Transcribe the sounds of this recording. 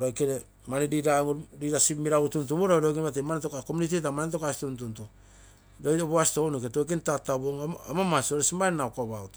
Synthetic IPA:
ɾojkeɾe | maniɾiɾaɾiɾasimiɾautuntuβoɾoɾokeβat̬emanetokakomunit̬itamanetokasi̥tuntunto | ɾojoβoasi̥tonoketojk̬entataβoŋamamasioɾesimannakoβaut

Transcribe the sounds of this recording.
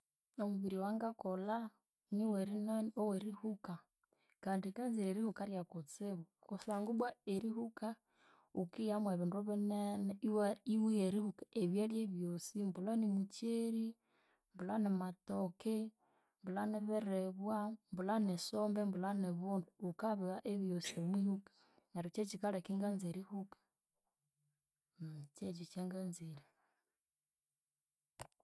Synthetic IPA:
omuβiɾiwaŋɡakɔla | niwɛɾinɛnɔwɛɾihuka | kaːndikanziɾɛɾihukaɾjakut͡sɛβɔkɔsaŋɡubwaeɾiɦuka | ukijamwɛβinduβɛnɛnɛiwaiwiɛɾihukḁʔeβjaljɛβjosimbulanimut͡ʃeɾi | mbulanematoke | mbulaneβɛɾeβwambulanesombembulaneβunduːkaβiɣaʔeβjosiomwihukḁ | naɾut͡ʃet͡ʃikaɾekiŋɡanzeɾihukḁ | mt͡ʃet͡ʃit͡ʃeŋɡanzeɾi

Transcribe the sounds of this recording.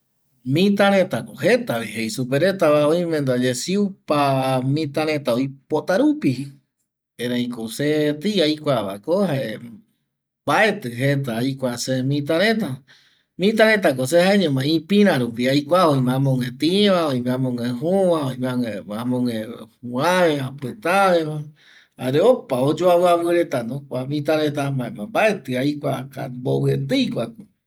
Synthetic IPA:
mĩt̪aɾ̃ẽt̪akohet̪aβihejsupeɾet̪aβaojmẽnd̪ad͡ʒesiupamĩt̪aɾẽt̪aojpot̪aɾupi | eɾãĩkoset̪iajkʷaβa̰kohae | baet̪ɨɦet̪̬aːjkʷasemĩt̪̬aɾẽt̪a | mĩt̪̬aɾẽt̪̬ak̬osehaẽɲẽmãĩpĩɾ̃ãɾupiajkʷaoĩmãmõŋẽt̪ĩβaoimẽãmõŋẽɦuowãoĩmẽaŋeamõŋẽhuãβẽapɨt̪aβea | aɾeopaod͡ʒoaβɨaβɨɾet̪anõkʷamĩt̪aɾet̪̬amãẽmãmbaet̪ɨajkʷaka̰mboβɨet̪ɨjkʷako

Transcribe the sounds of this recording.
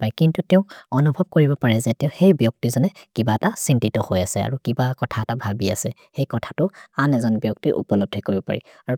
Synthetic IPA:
paɹikintutɛʊ̃ɔnubʱɔb̚koɹibɔpaɹɛzɛtɛʊ̃xejbjɔk̚tizɔnɛkibaɛtasintitɔhojasɛa̰ɹukibakɔtʰaɛtabʱabia̰sɛ | xejkɔtʰḁtʊanɛzɔnbjɔk̚tiʔṵpɔlɔb̚dʱɛkoɹibɔpa̰ɹḭ | aɹu

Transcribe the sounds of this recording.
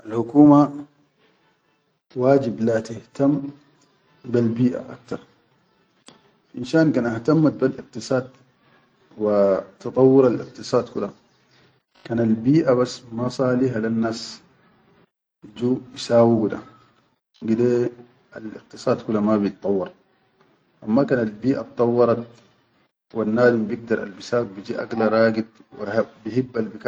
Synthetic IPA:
ʔalhʊkuːma | waːd͡ʒiblat̪ɪht̪amː | balbiːʔa̰ʔa̰k̚t̪ɑɾˤ | ʔinʃaːnkaːnʔaht̪amːat̪̚balʔɪq̚t̪ɨsˤɑːd̪̚ | wat̪ɑt̪ˤɑwːʊɾalɪ̰q̚t̪ɨsˤɑːd̪kula | kanalbiːʔaβasːmasˤɑːliɦalanːaːs | d͡ʒubisaːwiɡud̪a̰ | ɡid̪e | alḭq̚t̪ɨsˤɑːd̪kulamabjit̪ːˤɑwːɑɾˤ | ʔamːakaːnalbiːʔab̚t̪ˤːɑwːɑɾˤɑt̪̚ | wanːaːd̪imbjiɡ̚d̪ɑɾˤa̰lbisaːwbid͡ʒiːʔa̰ɡlaɾˤɑːɡid̪̚w̰bihibːalbika

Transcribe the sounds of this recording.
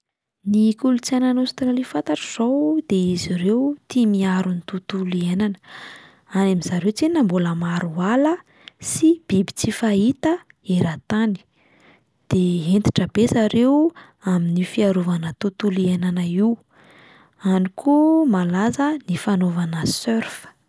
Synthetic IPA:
nikulut͡sananost̪ɾalifant̪aʈ͡ʂəz̥owd̪̥eiziɾewt̪imiaɾunit̪ut̪ulienanə̥ | anamizaɾewt͡senamboləmaɾualə | sib̥ibi̥t͡sifait̪ə | eɾat̪ani̥ | d̪̥eɦent̪i̥ʈ͡ʂəbezaɾew | aminifiaɾovanat̪ut̪ulienanaiw | anikʰumalazənifanovanəsøɾf

